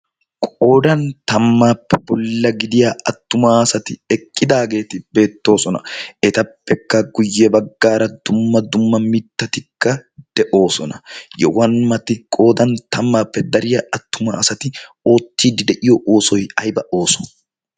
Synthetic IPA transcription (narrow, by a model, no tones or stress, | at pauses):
kʼo̞ːd̪ɐnt̪ɐmːaːpːɛbɔlːɐɡɪd̪ɪjaɐt̪ːʊmaːsɐt̪ɪɛkʼːɪd̪aːɡe̞ːt̪ɪbe̞ːt̪ːo̞ːsɔnɐ̰ɛt̪ɐpːɛkːɐɡʊjːɛbɐɡːaːɾɐd̪̥ʊmːɐd̪ʊmːɐmɪt̪ːɐt̪ɪkːɐd̪̥ɛʔo̞ːsɔnɐjɛ̰wɐnmɐt̪ɪkʼo̞ːd̪ɐnt̪ɐmːaːpːɛd̪ɐɾɪjɐɐt̪ːʊma̰ːsɐt̪ɪ | oːt̪ːiːd̪ɪd̪ɛʔɪjɔʔoːsɔjɐjbɐʔo̞ːsɔn